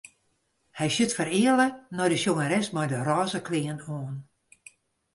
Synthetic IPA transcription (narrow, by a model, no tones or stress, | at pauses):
hɛjsytfəɾɪələnɔjdəʃjoŋəɾɛsmɔjdərɔːzəkʰlɪːənoːən